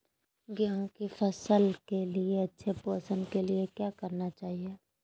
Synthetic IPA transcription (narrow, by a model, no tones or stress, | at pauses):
ɡjaõkifəsəlkelieɐtːʃʰepoːsənkeliekjaːkəɾnat͡ʃaːɦie